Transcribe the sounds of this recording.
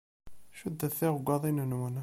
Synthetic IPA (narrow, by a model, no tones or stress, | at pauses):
ʃud̪ːæθiʁɡʷɑðˤinənwən